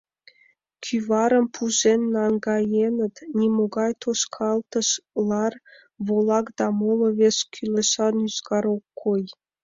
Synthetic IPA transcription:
kʲʰyβɑɾə̆mpʰuzenːɑŋɡɑjenə̆t̪nʲimoɡɑjt̪oʃkʰɑlˠt̪ə̆ʃlˠɑr | βolˠɑkd̪ɑmolˠŏβeskʲʰylʲĕʃɑnyzkɑɾokːoj

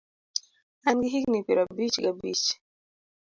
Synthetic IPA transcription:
anɡiɦiknipiɾabit͡ʃɡabḭt͡ʃ

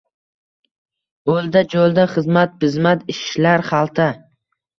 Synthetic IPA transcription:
old̪ad͡ʒolˠd̪aχɨzmat̪̚pɪzmat̪ɪʃlaɾχɑlˠt̪ʰa

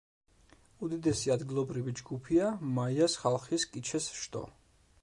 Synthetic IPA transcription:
ud̪id̪ɛsiad̪ɡilˠɔbɾivid͡ʒɡupʰiamaiasχalˠχiskʼit͡ʃʰɛsʃt̪ʼɔ̰

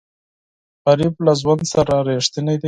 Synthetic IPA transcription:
ɣaɾiblazwand̪saɾaɾeʂt̪ɪned̪i

